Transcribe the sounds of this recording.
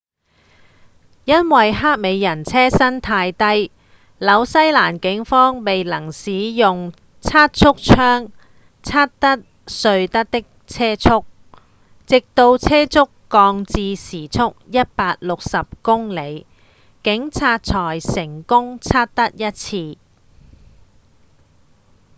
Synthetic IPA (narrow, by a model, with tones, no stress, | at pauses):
jɐ˥nwɐ˨jɦaː˥t̚me˨˧jjɐ˨˩nt͡sʰɛː˥sɐ˥nt̪ʰaː˧jt̪ɐ˥j | lɐ˨˧wsɐ˥jlaː˨˩nkɪ˨˥ŋfɔː˥ŋme˨jlɐ˨˩ŋsiː˨˧jʊ˨ŋ | t͡sʰaː˥t̚t͡sʰʊ˥k̚t͡ʃʰœː˥ŋ | t͡sʰaː˥t̚t̪ɐ˥t̚ | sɵ˧ɥt̪ɐ˥t̚t̪ɪ˥k̚ | t͡sʰɛː˥t͡sʰʊ˥k̚ | t͡sɪ˨k̚t̪o˧wt͡sʰɛː˥t͡sʰʊ˥kːɔː˧ŋt͡siː˧siː˨˩t͡sʰʊ˥k̚jɐ˥t̚paː˧t̚lʊ˨k̚sɐ˨p̚kʊ˥ŋle˨˧j | kɪ˨˥ŋt͡sʰaː˧t̚t͡sʰɔː˨˩jsɪ˨˩ŋkʊ˥ŋt͡sʰaː˥t̚t̪ɐ˥t̚jɐ˥t̚t͡sʰiː˧